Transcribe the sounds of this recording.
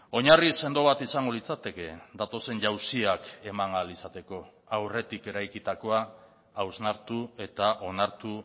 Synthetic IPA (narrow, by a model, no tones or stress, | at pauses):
o̞ɲarise̞nd̪o̞βat̪isaŋɡo̞lit͡sat̪e̞ke̞d̪at̪o̞se̞ɲʝawsiake̞maŋalisat̪e̞ko̞ | awre̞t̪ike̞ɾajkit̪ako̞aː | wznaɾt̪ue̞t̪aʔo̞naɾt̪u